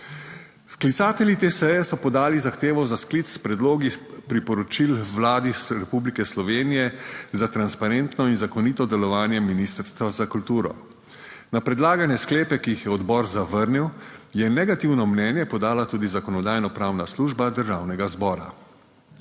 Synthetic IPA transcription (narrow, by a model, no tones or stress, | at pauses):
sklit̪saːt̪ɛljit̪eːsɛjɛsɔpɔd̪aːlizaxt̪eːʋɔzaskliːt̪sspɾɛd̪loːɡipɾipɔɾɔt͡ʃilʋlaːd̪isɾɛpublikɛslɔʋeːnijɛzat̪ɾanspaɾent̪nɔinzakɔnit̪ɔd̪ɛlɔʋaːnjɛminist̪əɾst̪ʋazakult̪uːɾɔ̰ | napɾɛd̪laːɡanjɛskleːpɛkijixjɛɔd̪bɔːɾzaʋəɾniwjɛnɛɡat̪iwnɔmnɛnjɛpɔd̪aːlat̪uːd̪izakɔnɔd̪aːjnɔpɾaːwnasluːʒbad̪əɾʒaːwnɛɡazbɔːɾa̰